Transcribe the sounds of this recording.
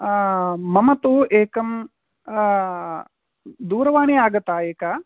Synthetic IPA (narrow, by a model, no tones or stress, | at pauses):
mɐmɐt̪uʔeːkɐm | d̪uːɾɐʋaːneːaːɡɐt̪ːaːeːkaː